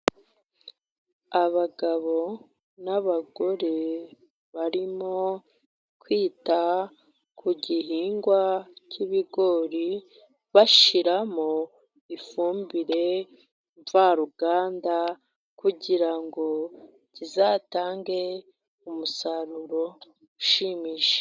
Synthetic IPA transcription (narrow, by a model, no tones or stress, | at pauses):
aβaɡaβo̞ | naβaɡo̞ɾe̞ | βaɾimo̞ | kwiːta | kuɟiɦiːŋɡwaciβiɡo̞ːɾi | βaʃiɾamo | ifuːmbiɾe̞ | ɱvaɾuɡaːnda | kuɟiɾaŋɡo̞ | cizaːtaːŋɡe̞ | umusaɾuɾo̞ | uʃimiːʃe̥